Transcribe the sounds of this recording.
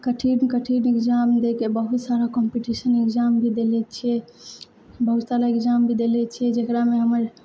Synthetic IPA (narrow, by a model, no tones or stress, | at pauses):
kəʈʰiɖkəʈʰiɖikd͡ʒamd̪ekebəɦut̪saɾakɔmpiʈisənekd͡ʒambʱid̪elɛt͡ʃʰiɛ | bəɦut̪saɾaekd͡ʒambʱid̪elɛt͡ʃʰiɛd͡ʒekɾameɦəməɾ